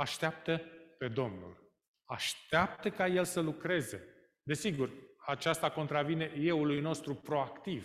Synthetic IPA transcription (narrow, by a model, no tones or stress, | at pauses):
aʃt̪eap̚t̪əpe̞d̪o̞mnṵl | aʃt̪eap̚t̪əkaje̞lsəlukɾe̞ze̞̰ | d̪e̞siɡurat͡ʃast̪ako̞nt̪ɾavine̞je̞ulujno̞st̪ɾupɾo̞akt̪iv